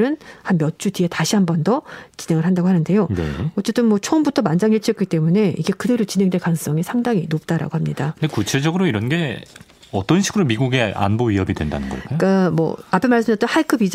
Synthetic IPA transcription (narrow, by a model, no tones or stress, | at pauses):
ɾɯnhanmjʌt̚t͡ɕ͈udietaɕʰiɦambʌndʌt͡ɕine̞ŋɯɭɦandaɡoɦanɯnde̞jonḛʌt͡ɕ͈e̞t͈ɯnmwʌt͡ɕʰʌɯmbutʰʌmand͡ʑaŋjiɭt͡ɕʰiʌk͈it͈e̞mune̞iɡe̞kɯde̞ɾot͡ɕine̞ŋdekans͈ʌŋisʰaŋdaŋinop̚t͈aɾa̰ɡohamɲidaɯndekut͡ɕʰe̞d͡ʑʌɡɯɾoiɾʌnɡe̞ | ʌt͈ʌnɕʰiɡɯɾomiɡuɡe̞a̰nboɥiɦʌbidwenda̰nɯnɡʌ̰k͈ak͈amwʌ̰apʰe̞maɭs͈ɯmiʌt͈ʌnhaikʰɯbid͡ʑ